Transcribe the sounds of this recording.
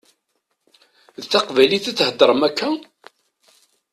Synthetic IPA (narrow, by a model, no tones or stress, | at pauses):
ðθɑqvæliθæt͡sːhəd̪ˤːəɾˤəmækːæ